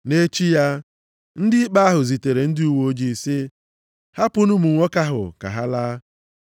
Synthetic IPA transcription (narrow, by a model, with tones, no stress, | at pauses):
ne˦t͡ʃi˦ja˦ | n̩˦dɪ˦i˦k͡pa˦a˦ɦʊ˨zi˨te˨ɾe˨n̩˦dɪ˦u˦wo˦d͡ʒi˨sɪ˦ | ha˦pʊ˦nʊ˦mu˨ŋʷɔ˦ka˦ɦʊ̰˨ka̰˨ɦa˦laː˦